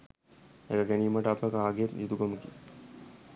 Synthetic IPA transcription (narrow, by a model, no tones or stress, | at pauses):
ḛkəɡæniːməʈəapəkaːɡeet̪nit̪ukoməkijə